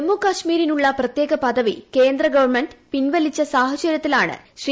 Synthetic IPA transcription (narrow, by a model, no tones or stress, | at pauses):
mːukɐʂmiːɾinuɭːɐprɐt̪je̞ːɣɐpɐd̪ɐʋḭkeːnd̪ɾɐɡɐʋɐrmeɳɖpinʋɐlit͡ɕːɐsaːɦɐt͡ɕɐɾjɐt̪ːilaːɳɨ̰ɕri